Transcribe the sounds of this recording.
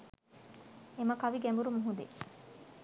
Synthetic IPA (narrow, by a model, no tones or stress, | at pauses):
emɐkɐʋiɡɛmbuɾumuɦud̪ḛ